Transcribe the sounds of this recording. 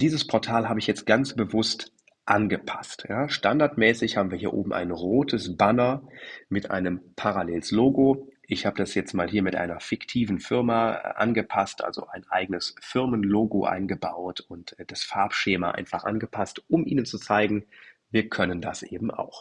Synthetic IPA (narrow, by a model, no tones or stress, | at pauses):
d̥iːzəspʰɔɐtʰaːlɦaːbəɪçjɛt͡st̚ɡ̥ant͡sb̥əvʊst | ʔanɡəpʰḁstjaːʃtandaɐtmɛːsɪçhaːbm̩viːɐɦiːɐʔo̰ːbm̩ʔa̰ɪnʁoːtʰəsb̥anɐmɪtʔa̰ɪnəmpʰaʁalɛːlsloːɡoʔɪçhaːbədasjɛt͡stmaːlhiːɐmɪtʔa̰ɪnɐfɪktʰiːvn̩fɪʁmaʔa̰nɡəpʰastʔa̰lzo̰ʔaɪnʔa̰ɪɡənəsfɪɐmənloːɡoʔa̰ɪnɡəbaʊtʰʊntːd̥asfaːɐpʃeːmaʔa̰ɪnfaχʔa̰nɡəpʰastʔʊmʔḭːnənt͡sut͡saɪɡŋ̩viːɐkʰœnəndasʔḛːbm̩a̰ʊx